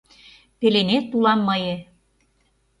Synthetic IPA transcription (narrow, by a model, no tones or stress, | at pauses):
pelenet̪ːulɑmːɤjĕ